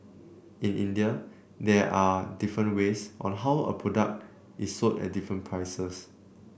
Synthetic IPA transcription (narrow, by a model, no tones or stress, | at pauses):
ĩnĩndiə | dɛʔadifɹə̃ntwesʔɔ̰̃nɦawə̰pʰɹɔdak̚t | ʔisːotɛ̰t̚difɹə̃npʰɹajsəs